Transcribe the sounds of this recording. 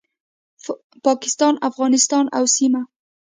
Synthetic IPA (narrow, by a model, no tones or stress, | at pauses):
pɑkɪ̥st̪ɑnafɣɑnɪst̪ɑnawsima